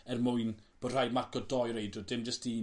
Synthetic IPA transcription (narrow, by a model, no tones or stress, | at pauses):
ɛrmʊɨnb̥ɔdr̥ajmarkɔdɔjɾejdʊdɪmd͡ʒəsti